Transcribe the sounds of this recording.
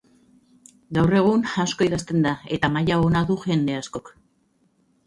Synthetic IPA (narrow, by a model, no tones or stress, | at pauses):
ɡawre̞ɣ̞unasko̞iðast̪e̞nd̪aet̪amajaonaðuʝe̞nd̪e̞asko̞k